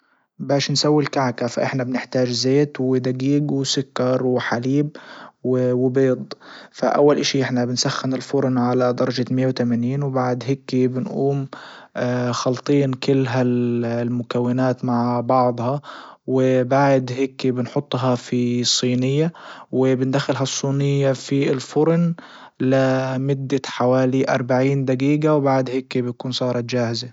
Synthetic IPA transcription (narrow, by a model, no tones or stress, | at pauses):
baːʃnsawːilkaʕkafa̰ʔɪħnabnɪħt̪aːʒzeːt̪wɪd̪aɡiːɡwɪsʊkːɑɾˤwɪħaliːb̚wɪwɪbeːd̪ˤfa̰ʔa̰wːalʔaʃiʔɪħnabɪnsaxːɪnɪlfʊɾˤnʕalad̪ɑɾˤɑʒamɪjːawt̪amaniːnwɪbaʕd̪ɦekːibɪnʔuːm | xɑlt̪ˤiːnkɪlːɦallmʊkawːɪnaːt̪maʕbɑʕd̪ˤhɑwɪbaʕd̪heːkːibɪnħʊt̪ˤːɦɑfisˤːiːnɪjːawɪbɪnd̪axːɪlɦɑsˤːiːnɪjːafilfʊɾn | lɪmʊd̪ːaħawaːliʔɑ̰ɾˤbaʕiːnd̪aɡiːɡawbaʕd̪heːkːibɪjkuːnsˤɑːɾˤɑt̪d͡ʒaːhɪza